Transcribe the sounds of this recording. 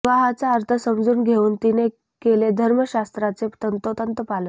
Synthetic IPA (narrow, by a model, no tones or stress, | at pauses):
ʋaɦat͡saəɾt̪ʰəsəmd͡zuːnɡʱeuːnt̪ine | keled̪ʱəɾməɕast̪ɾat͡set̪ənt̪ot̪ənt̪əpalən